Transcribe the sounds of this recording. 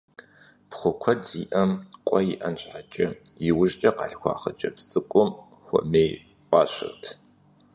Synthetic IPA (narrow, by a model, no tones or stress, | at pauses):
pχʷʊkʷʰɐdiːʔɐmqʷʼɔjiʔɐnɕʼħat͡ʃʼɐjɪwʊʒt͡ʃʼɐqɑ̰ɬxʷɑ̰ːχɐt͡ʃʼɐpt͡sʼɨkʷʼʊm | xʷʊ̰ʔmej | fʼaːɕɨ̰rtʰ